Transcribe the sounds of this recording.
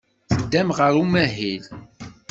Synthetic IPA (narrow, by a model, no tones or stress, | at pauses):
θəd̪ːæmʁəɾumæɦil